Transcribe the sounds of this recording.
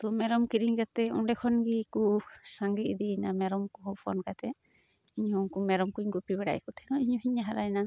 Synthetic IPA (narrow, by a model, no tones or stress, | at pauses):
t̪ɔmɛɾɔmkiɾiɲkat̪ɛṵɳɖɛkʰɔnɡikusaŋɡiʔid̪inamɛɾɔmkɔɦɔpʰɔ̰nkat̪ɛ | iɲhuŋkumɛɾɔmkuɲɡupibɛɽa̰j̰kɔt̪ʰɛnɔiɲɔɦiɲaɦaɾajna